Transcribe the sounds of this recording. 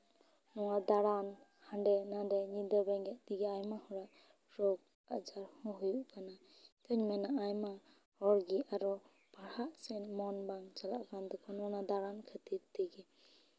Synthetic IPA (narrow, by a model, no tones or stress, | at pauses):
nɔŋad̪aɾan | handɛnadɛɲid̪əɾbɛŋɡɛt̚diɡɛajmahɔɾaʔ | ɾɔɡ̚ | ad͡ʒaɾhɔ̃ɦujuʔkana | t̪ʰɯɲmanaːjma | hɔɾɡiaɾɔ | baɾhaʔsɛnmɔnbaŋt͡ʃalaʔkand̪ɔkʰɔnɔnad̪aɾankʰət̪iɾt̪iɡi